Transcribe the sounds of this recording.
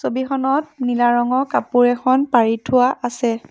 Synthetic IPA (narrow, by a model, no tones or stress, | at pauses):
sobikɔnɔt̚nilaɹɔŋɔkapuɹɛkʰɔnpaɹitʰʊwaʔasɛ